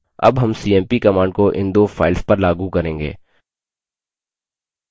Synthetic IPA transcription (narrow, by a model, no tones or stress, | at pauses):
ɐ̰bɦɐmsiːɛ̃ːmpikɐmãːɳɖkoʔɪ̰̃nd̪oːfʰaːɪlspɐɾlaːɡukɐɾẽːŋɡḛː